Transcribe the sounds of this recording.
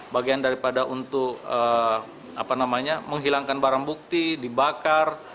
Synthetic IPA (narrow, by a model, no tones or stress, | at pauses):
baɡiandaɾipadaʔunt̪ʊkə | a̰panamaɲaməŋɦilaŋkanbaɾaŋbuk̚t̪idibakar